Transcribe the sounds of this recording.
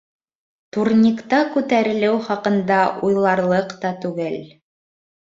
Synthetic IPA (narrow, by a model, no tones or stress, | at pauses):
t̪uɾnʲikt̪ɑkʉt̪æɾɘ̆lɘwχɑqɤ̆nd̪ɑʔujlˠɑɾlˠɤqt̪ɑt̪ʉɡɘl